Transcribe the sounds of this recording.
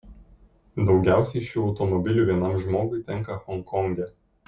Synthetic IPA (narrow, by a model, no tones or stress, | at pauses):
d̪ɒʊɡʲæˑʊsʲɛɪʃʲjʲuːɒʊt̪ɔmɔbʲɪlʲuːˑʋʲiɛnɐˑmʒmoːɡʊɪt̪ʲɛŋˑkɐxɔŋkʰɔŋʲɡʲɛ